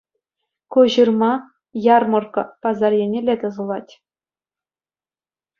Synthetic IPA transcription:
kuʑɯrmɑ | jɑrmɤ̆rkɤ̆pɑzɑrjenʲelʲet̪ɤ̆zɤ̆lˠɑtʲ

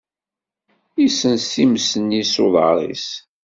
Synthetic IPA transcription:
isənsimsənisoðˤə̰ɾˤḭs

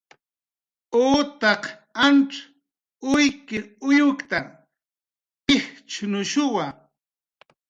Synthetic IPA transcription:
oːt̪ɑq | anʈ͡ʂ | ʊjkɪʊjʊkt̪aŋ | ɪht͡ʃʊnʊʃʊwa

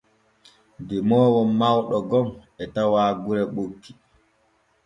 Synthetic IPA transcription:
dɛmɔːwɔmːawɗɔɡɔmɛtawaːɡuɾɛɓokʰːi̥

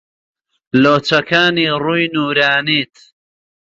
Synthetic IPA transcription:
loːt͡sɐkaːniːruːjnuːɾaːniːt̪ʰ

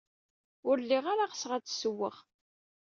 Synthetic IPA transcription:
ʊɾlːiʁaɾaʁəsʁæt͡sːsəwːə̰ʁ

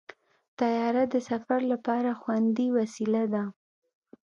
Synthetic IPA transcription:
t̪ajɑɾad̪əsafaɾlapɑɾaxwand̪iwasilad̪a

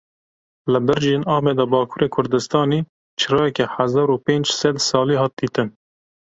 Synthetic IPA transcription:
ləbɨɾd͡ʒeːnɑːmɛd̪ɑbɑːkʰuːɾeːkʰʊɾd̪ɨst̪ɑːniː | t͡ʃʰɨɾɑːjɛkɛħazɑːɾupeːnd͡ʒsɛd̪sɑːliːɦɑːt̪̚d̪iːt̪ɨn

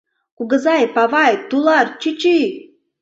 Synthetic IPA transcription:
kuɡəzajpavajt̪ulˠart͡ʃit͡ʃi

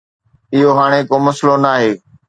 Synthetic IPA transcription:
ɪɦoɦaːɽ̃ekomɐslonaːɦeː

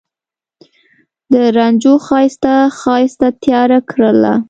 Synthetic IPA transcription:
d̪əɾand͡ʒoxɑjst̪axɑjst̪at̪jɑɾakɾəla̰

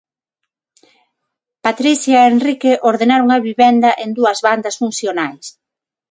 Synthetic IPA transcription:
pat̪ɾiθjaenrikeʔoɾðenaɾoŋɐβiβɛnd̪ɐʔend̪uɐzβand̪ɐsfunθjonajs

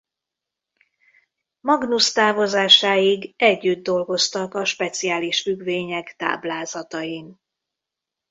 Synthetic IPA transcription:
mɒɡnust̪aːvo̞zaːʃaːjiɡɛɟːyd̪̚d̪o̞lɡo̞st̪ɒkɒʃpɛt̪sijaːliʃfyɡveːɲɛkt̪a̰ːblaːzɒt̪ɒjin

